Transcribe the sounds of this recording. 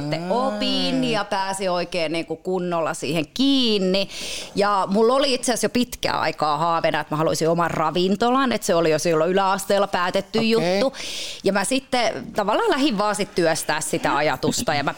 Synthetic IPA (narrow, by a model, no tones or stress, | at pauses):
t̪ːeopinːijɑpæːsioikeːnniːŋkukunːolːɑ̰sḭːheŋkiːnːijɑmulːoliit̪seæsjopit̪kæ̰ːɑ̰ikɑːhɑːʋenɑet̪mæhɑlo̰isiomɑrrɑʋint̪olɑnet̪seolijosilːoylæɑst̪eːlːɑpæːt̪et̪ːyjjut̪ːujɑmæsit̪ːet̪ɑʋɑlːɑːlæhiʋʋɑːsit̪t̪yœst̪æːssit̪æɑjɑt̪ust̪ɑjɑmæ